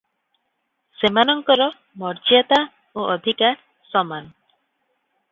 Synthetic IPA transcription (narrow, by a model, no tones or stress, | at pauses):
semanɔŋkɔɾɔ | mɔɾd͡ʒiat̪a | oʔɔd̪ʱika | sɔman